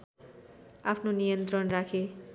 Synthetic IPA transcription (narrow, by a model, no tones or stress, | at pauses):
apʰnonijʌnt̪rʌnrakʰe